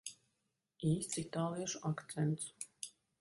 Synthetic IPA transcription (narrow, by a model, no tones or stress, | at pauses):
iːst̪sit̪aːlˠiɛʃuʔakt̪sɛnt̪s